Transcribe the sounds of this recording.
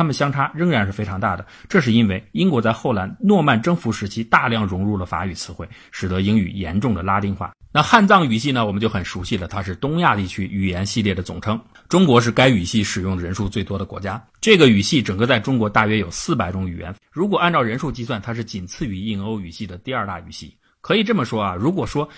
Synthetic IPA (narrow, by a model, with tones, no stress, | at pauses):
a˥mə˨nɕjɑ˥ŋʈ͡ʂʰa˥ɻə˥ŋɻa˧˥nʂɻ̩˥˩fe˥ɪʈ͡ʂʰɑ˧˥ŋt̪a̰˥˩d̪ə˩ʈ͡ʂɤ˥˧ʂ̬ɻ̩˥˩i˥nwe˥˩ɪi˥nkwɔ˧˥t͡sa˥˧ɪxo˥˩ʊla˧˥nnwɔ˥˧ma˥˩nʈ͡ʂɤ˥ŋfu˧˥ʂɻ̩˧˥t͡ɕʰi˥t̪a˥˧ljɑ˥˩ŋɻʊ˧˥ŋɻu˥˩lə˩fa̰˧˥y˨˩t͡sʰɹ̩˧˥xwe˥˩ɪ | ʂɻ̩˨˩d̪ɤ˧˥i˥ŋy̰˨˩jɛ̰˧˥nʈ͡ʂʊ˥˩ŋd̪ə˩la˥t̪i˥˧ŋxwa̰˥˩na˥˧xa˥˧nt͡sɑ˥˩ŋy˨˩ɕi˥˩nə˩wɔ˨˩mə˦t͡ɕjo˥˩ʊxə˨˩nʂu˧˥ɕi˥˩lə˩t̪ʰa˥ʂɻ̩˥˩t̪ʊ˥ŋja˥˧t̪i˥˩t͡ɕʰy˥y˨˩jɛ˧˥nɕi˥˧ljɛ˥˩d̪ə˩t͡sʊ˨˩ŋʈ͡ʂʰɤ˥ŋ | ʈ͡ʂʊ˥ŋkwɔ˧˥ʂ̬ɻ̩˥˩ka˥ɪy˨˩ɕi˥˩ʂɻ̩˨˩jʊ˥˩ŋd̪ə˩ɻə˧˥nʂu˥˧t͡swe˥˩ɪt̪wɔ˥d̪ə˨kwɔ˧˥t͡ɕja˥ | ʈ͡ʂɤ˥˩ɡə˩y˨˩ɕi˥˩ʈ͡ʂɤ˨˩ŋkə˥˧t͡sa˥˩ɪʈ͡ʂʊ˥ŋkwɔ˧˥t̪a˥˩ɥɛ˥jo˨˩ʊsɹ̩˥˩p̬a˨˩ɪʈ͡ʂʊ˥ŋy̰˨˩jɛ̰˧˥n | ɻu˧˥k̬wɔ˨˩a˥˧nʈ͡ʂɑ˥˩ʊɻə˧˥nʂu˥˧t͡ɕi˥s̬wa˥˩nt̪ʰa˥ʂ̬ɻ̩˥˩t͡ɕi˨˩nt͡sʰɹ̩˥˩˧y˧˥i˥˩ŋo˥ʊy˨˩ɕi˥˩d̪ə˩t̪i˥˧a˞˥˧t̪a̰˥˩y̰˨˩ɕi˥˩ | kʰɤ˧˥i˨˩ʈ͡ʂɤ˥˩mə˩ʂwɔ˥ɐ˨ɻu˧˥kwɔ˨˩ʂwɔ˥